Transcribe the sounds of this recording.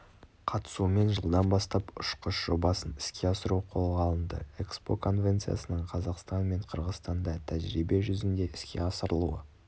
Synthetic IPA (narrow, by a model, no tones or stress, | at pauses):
qʰɑt̪ə̥sume̞nʒəlˠd̪ɑnbɑst̪ɑpʊʃqəʃʒ̥o̞bɑsənɪ̥skʲʰe̞ɑsəɾuqʰo̞lˠʁɑlˠənd̪ə̰ekspo̞kʰo̞nvʲe̞nt̪sɨja̰sənəɴqʰɑzɑqst̪ɑnme̞ɴqʰəɾʁəzst̪ɑnd̪ɑt̪ʰæʒɾibe̞ʒʏzɪnd̪e̞ʔɪskʲe̞̰ɑsəɾəlˠṵə